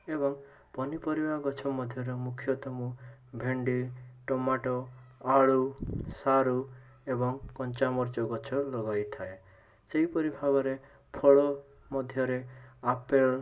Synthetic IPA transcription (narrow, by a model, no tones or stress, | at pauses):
ebɔŋ | pɔnipɔɾibʱaɡɔt͡ʃʰɔmɔd̪ʱjɔɾɔmukʰjɔt̪ɔmubʱeɳɖiʈɔmaʈɔaɭusaɾu | ebɔŋkɔnt͡ʃamɔɾt͡ʃɔɡɔt͡ʃʰɔlɔɡajt̪ʰae | seɦipɔɾibʱabɔɾe | pʰɔɭɔ | mɔd̪ʱjɔɾeapeɭ